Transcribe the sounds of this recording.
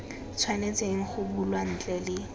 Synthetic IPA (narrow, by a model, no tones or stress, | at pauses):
t͡sʰwanet͡sʼeŋ̩χʊbulwan̩t͡ɬʼɛlɪ